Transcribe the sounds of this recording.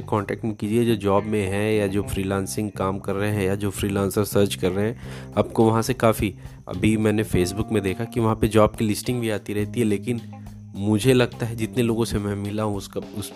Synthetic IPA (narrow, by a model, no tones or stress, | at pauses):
ekɔ̃ːɳʈɛːk̚ʈmẽkiːd͡ʒied͡ʒoːd͡ʒɔːbmẽɦɛ̃jad͡ʒoːfɾiːlãːnsɪ̃ŋɡ̚kaːmkɐɾːəɦeɦɛ̃jad͡ʒoːfɾiːlãːnsəɾsəɾt͡ʃkɐɾːəɦeɦɛ̃ː | ɐbkoʋɐɦãsekaːfi | ɐ̰bʱimɛ̃ːnefeːs̬bʊkmẽd̪eːkʰakiʋɐɦãped͡ʒɔːbkilɪsʈɪ̃ŋɡbʱiaːt̪iɾɛɦt̪iɦɛleːkɪn | mʊd͡ʒʱelɐɡt̪aɦɛd͡ʒɪt̪neloːɡõsemɛ̃mɪlaɦũʊskʊs